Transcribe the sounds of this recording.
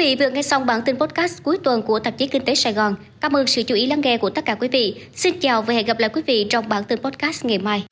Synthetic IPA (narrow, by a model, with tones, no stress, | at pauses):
vḭ˧˨vɨ˨˩ək̚ŋɛ˧jsa˧wŋ͡mɓaː˧˩nt̪i˧npɔ˦˥t̚kaː˦˥s̚ku˨˦jt̪wə˨˩nku˧˩ət̪ə˨˩t͡ɕi˨˦kï˧ŋ̟t̪e˨˦saː˧jɣɔ˨˩n | kaː˧mʔəː˧nsɨ̰˧˨t͡ɕu˧˩ʔi˨˦laː˧ŋʔɛ˧ku˧˩ət̪ə˦˥t̚kaː˧˩kwi˨˦vḭ˧˨ | si˧nt͡ɕaː˨˩wvaː˨˩hɛ̰˧˨ɣə˨˩p̚laː˧˨kwi˨˦vḭ˧˨t͡ɕɔ˧wŋ͡mɓaː˧˩nt̪i˧npɔ˦˥t̚kaː˦˥st̚ŋa˨˩jmaː˧j